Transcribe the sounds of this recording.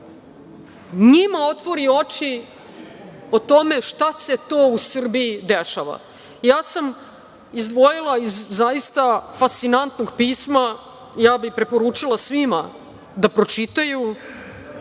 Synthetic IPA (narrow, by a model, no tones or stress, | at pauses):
ɲimao̞t̪ʋo̞ɾio̞t͡ʃi | ot̪o̞me̞ʃt̪aset̪oːusr̩biːd̪eʃa̰ʋa̰ | jaːsam | izd̪ʋo̞jilˠaizːajist̪afast̪inant̪noɡpiːsma | jaːbipɾe̞po̞ɾuːt͡ʃilˠasʋima | d̪apɾo̞t͡ʃit̪aju